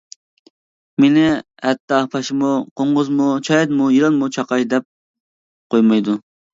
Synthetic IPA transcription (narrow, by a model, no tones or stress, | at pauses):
menɪ | hɛt̪ːɑpʰɑʃɪmuqʰoɴʁʊzmut͡ʃʰɑjɛd̪mujiɾɨnˠmut͡ʃʰɑqɑʃd̪ɛp̚ | qʰojmɑjd̪u